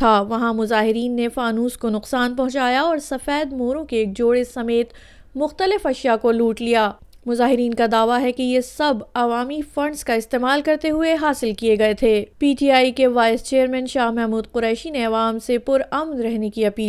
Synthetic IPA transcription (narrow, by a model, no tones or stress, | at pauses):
aːʋɐɦãmʊzaːɦɪɾiːnːefaːnuːskonʊqsaːnpɐ̃ɦʊ̃t͡ʃaːjaɔːɾsɐfɛːd̪moːɾõkeːk̚d͡ʒoːɽesɐmeːt̪ | mʊxt̪əlɪfɐʃjakoluːʈlijaː | mʊzaːɦɪɾiːnkad̪aːʋaɦɛkejesɐbɐʋaːmifɐ̃ɳɖskaɪst̪eːmaːlkɐɾt̪eɦʊeɦaːsɪlkijeɡɐet̪ʰeːpiːʈiaːikeʋaːɪst͡ʃeːəɾmɛ̃ːnʃaːɦmɛɦmuːd̪qʊɾɛːʃineɐʋaːmsepʊɾɐmnɾɛɦnekiɐpiː